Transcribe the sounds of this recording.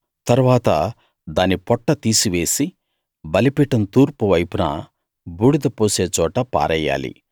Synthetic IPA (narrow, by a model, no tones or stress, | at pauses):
t̪ɐɾuʋaːt̪ɐ | d̪aːnipɔʈːɐt̪iːsiʋe̞ːsi | bɐlipiʈɐnt̪uːɾpuʋɐjpunɐ̰ | buːɽud̪ɐpoːse̞ːt͡ʃɔːʈɐpa̰ːɾɐjːa̰ːlḭ